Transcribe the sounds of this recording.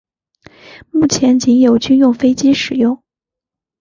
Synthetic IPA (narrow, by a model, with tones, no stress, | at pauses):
mu˥˩t͡ɕʰjɛ˧˥nt͡ɕi˧˥ŋjo˨˩ʊt͡ɕy˥˧njʊ˥˩ŋfe˥ɪt͡ɕi˥ʂɻ̩˨˩jʊ˥˩ŋ